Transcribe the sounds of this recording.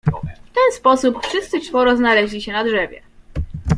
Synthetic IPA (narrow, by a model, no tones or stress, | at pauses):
ft̪ɛnspɔsupfʂɘst̪sɘt͡ʂfɔɾɔznalɛʑlʲiɕɛnadʐɛvʲjɛ̰